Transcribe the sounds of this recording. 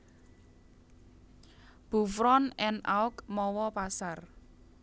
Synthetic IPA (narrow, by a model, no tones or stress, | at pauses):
b̥ṳfɾɔnɛna̰wkmɔwɔpasar